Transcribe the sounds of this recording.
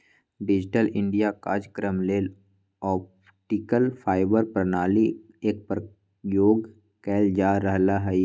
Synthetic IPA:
ɖɪd͡ʒʈəlʔɪ̃ɳɖijakaːd͡ʒkɾəmleːl | ɔːp | ʈikəlfʰaːɪbəɾpɾənaːli | eːk̚pɾ | joːɡ | kɛːld͡ʒaːɾəɦlaɦɛi

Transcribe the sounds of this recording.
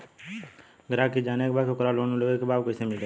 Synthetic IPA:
ɡəɾaːkid͡ʒaːnekebaːkʊkɾaloːnoləɡekebaːbkəsemɪleː

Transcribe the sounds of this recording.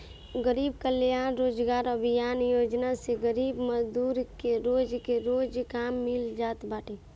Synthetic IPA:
ɡəɾiːbkəljaːnɾoːd͡ʒɡaːɾəbʱɪjaːnjoːd͡ʒnaseɡəɾiːbməzd̪uːɾkeɾoːd͡ʒkeɾoːd͡ʒkaːmːɪld͡ʒaːt̪baːʈʰeː

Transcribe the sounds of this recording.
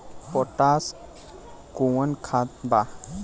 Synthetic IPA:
pɔʈas | kuwənkʰat̪̚ba

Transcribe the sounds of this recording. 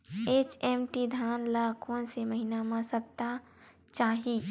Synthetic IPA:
eːt͡ʃeːmʈid̪ʱaːnlaːkʰõnseməɦinamãsəp̚t̪a | t͡ʃaːɦi

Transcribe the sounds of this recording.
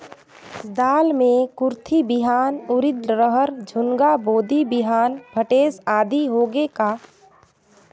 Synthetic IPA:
d̪aːlmẽkʊɾt̪ʰibɪɦaːnʊɾɪd̪ɾəɦəɾd͡ʒʱʊŋɡaboːd̪ibɪɦaːnbʱəʈeːsaːd̪iɦoːɡekaː

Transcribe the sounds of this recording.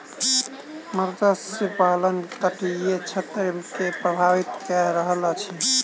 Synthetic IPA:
məɾd̪əsipalənk̪əʈiet͡ʃʰet̪ɾkepɾəbʱaʋit̪kɛɾəɦəlat͡ʃʰi

